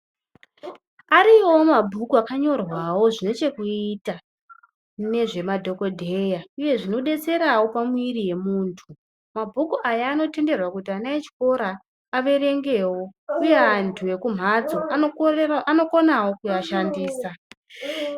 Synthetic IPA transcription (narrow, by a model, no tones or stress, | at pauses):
aɾiwo̞mabʱukuakaɲo̞rwawo̞ʐine̞t͡ʃe̞kuita | ne̞ʐe̞madʱo̞ko̞dʱe̞jauje̞ʐino̞ɗe̞t͡se̞ɾawo̞pamwirije̞muːntʰu | mabʱukuʔajaːno̞te̞nde̞rwakutianaet͡ʃi̥ko̞ɾaː | ʋe̞ɾe̞ŋɡe̞ːwo̞uje̞antʰue̞kum̤ad͡zo̞ | ano̞konawo̞kujaʃandiːsa